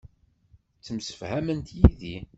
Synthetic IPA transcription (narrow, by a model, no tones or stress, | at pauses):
t͡sːəmsə̥fhæmənt̪jiði